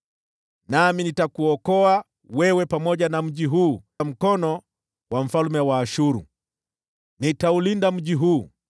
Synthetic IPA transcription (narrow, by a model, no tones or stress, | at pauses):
naminitakuɔkɔa | wɛwɛpamɔʄanam̩ʄiɦuː | m̩kɔnɔ | waɱ̩falmɛwaːʃuɾṵ | nitaulindam̩ʄiɦuː